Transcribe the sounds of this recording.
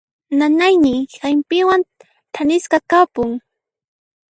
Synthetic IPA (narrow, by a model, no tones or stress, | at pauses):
nanajnɪxajmpɪwan | t̪ʰanɪskɑkapʊŋ